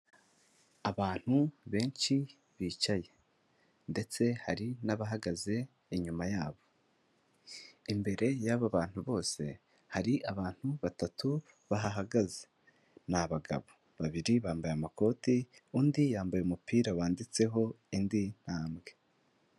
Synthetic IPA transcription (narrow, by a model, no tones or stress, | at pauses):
aβaːn̥huβe̞ːɲʃi | βiːt͡ʃaje̞ | nde̞t͡se̞haɾinaβaɦaɡaze̞ | iɲumajaːβo̞ | imbe̞ɾe̞jaβaβaːn̥huβo̞ːse̞̰ | haɾiʔaβaːn̥huβatatu | βaɦaɦaɡaze̥ | naβaɡa̰βo | βaβiɾiβaːmbajamako̞tiuːndijaːmbajumupʰiːɾawaːndit͡se̞ɦo̞ | indin̥haːmɡe̞